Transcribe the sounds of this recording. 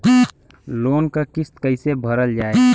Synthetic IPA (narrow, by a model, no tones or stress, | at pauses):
loːnkakɪst̪kəɪsebʱəɾəld͡ʒaːe